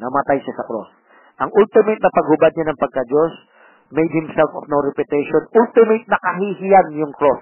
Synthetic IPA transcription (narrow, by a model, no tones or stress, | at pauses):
nɐmɐt̪ajʃasɐkɾo̰s | ʔɐŋʔult̪ɪmejt̪̚nɐpɐɡ̚hʊbad̪̚ɲanɐŋpɐɡ̚kɐd͡ʒos | mejd̪̚hɪmsɛlfofnowɾɛpɪt̪ɛʃonʔult̪ɪmejt̪̚nɐkɐɦihɪjanjʊŋkɾos